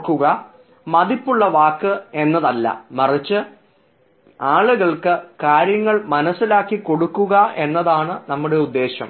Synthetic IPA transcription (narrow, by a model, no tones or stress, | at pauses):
kːuɣɐ | mɐðipːuɭːɐʋaːkːɨe̞nːɐðɐlːɐ̰mɐrit͡ɕːɨ | aːɭuɣɐɭkɨkaːɾjɐŋːɐɭmɐnɐsːilaːkːikːo̞ɽukːuɣɐʔe̞nːɐðaːɳɨnɐmːuɽe̞ud̪ːe̞ːɕɐ̰m